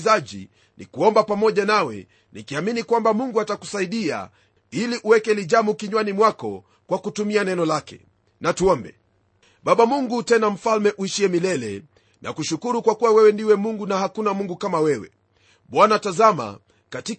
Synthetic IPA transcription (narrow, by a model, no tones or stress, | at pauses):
zaʄḭ | nḭkuɔmbapamɔʄanawɛ̰ | nikiaminikwambamuŋɡuataku̥saiɗia̰ | iliʔuwɛkɛliʄamukiɲwanimwakɔ̰ | kwakutumianɛnɔlakɛ̰ | natuɔmbɛ̰ | ɓaɓamuŋɡutɛnam̩falmɛʔuiʃiɛmilɛlɛ̰ | nʔa̰kuʃukuɾukwakuwawɛwɛndiwɛmuŋɡunahakunamuŋɡukamawɛwɛ̰ | ɓwanatazama̰ | kati